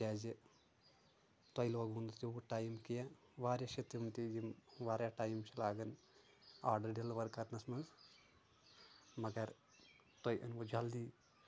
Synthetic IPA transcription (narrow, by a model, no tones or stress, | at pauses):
aːzi | t̪ɐjloːɡund̪t̪iʋuʈaːjmkija | ʋaːɾjaʃit̪iunt̪id͡ʒimʋaːɾjaʈaːjmt͡ʃʰɐlaːɡɐn | aːɾɖɐɾɖilʋɐɾkɐɾnɐsmɐnz | mɐɡɐɾ | t̪ojʔɨ̰nʋod͡ʒɐld̪iː